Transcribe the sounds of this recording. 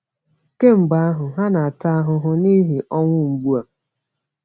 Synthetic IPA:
ke˦m̩˨ɡ͡ba˦a˦ɦʊ˨ɦa˦na˨a˨ta˦a˦ɦʊ˨ɦʊ˦ni˦ɦi˨ʔɔ˦ŋʷʊ˦ŋ͡m̩˨ɡ͡bu˦a˨

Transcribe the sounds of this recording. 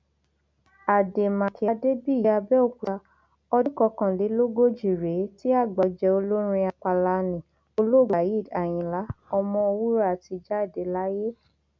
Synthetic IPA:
a˨de˨mã˨ki˨a˧de˦bi˦˨i˨˦a˧bɛ˦o˦˨ku˨a˧ | ɔ˧du˦kɔ˧kã˧li˨˦lo˦ɡo˦d͡ʒi˨ɾe˨˦ti˦a˦˨ɡ͡ba˨d͡ʒɛ˧o˧lo˦ɾ̃ĩ˧a˧k͡pa˧la˧nĩ˨ | o˧lo˦˨ɡa˨ji˦˨da˨j̃ĩ˨la˨˦ɔ˧mɔ̃˧o˧wu˦ɾa˦˨ti˧d͡ʒa˦˨de˨la˨˦je˦

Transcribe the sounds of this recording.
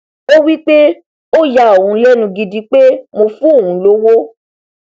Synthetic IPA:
o˦wi˦k͡pe˦ | o˦ja˧˨o˨ũ˨˦lɛ˦nũ˧ɡi˧di˧k͡pe˦mo˧fũ˦o˦˨ũ˨˦lo˦wo˦

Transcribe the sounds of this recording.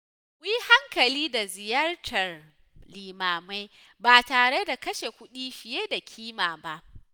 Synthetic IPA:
kʷji˦ha˦ŋkɐ˨liː˦da˨zɪ˨jɐ˦rtʰɐ˨r | liː˨maː˨ma˦j | baː˨taː˨ɽe˦da˨kɐ˦ʃe˨kʷʊ˦ɗiː˦ɸɪ˨jeː˦da˨kʲʰiː˦maː˨ba˦ʔ

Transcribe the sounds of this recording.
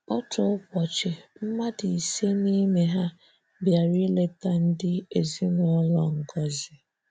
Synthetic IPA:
ɔ˦tʊ˨ʊ˦kʷɔ˨t͡ʃe˨m̩˦ma˦di˨i˨se˦ni˦me˨ɦa˦ | bja˨ɾi˦le˦ta˦˨n̩˦dɪ˦e˨zi˦nɔ˦lɔ˦ŋ̩˨ɡɔ˦zɪ˨

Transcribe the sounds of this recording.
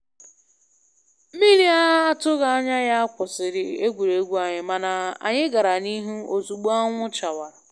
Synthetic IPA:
mi˦ɾi˦a˦ɦa˦a˦tʊ˦ɣa˦a˦ɲa˦ja˦a˦kʷʊ˨sɪ˨ɾɪ˨e˦ɡʷu˨ɾe˨˦ɡʷu˦a˨ɲɪ˨ma˨na˨a̰˨ɲɪ˦ɡa˨ɾa˨ni˦ɦu˦o˨zu˨ɡ͡bu˦a˦ŋʷʊ˦t͡ʃa˨wa˨ɾa˨

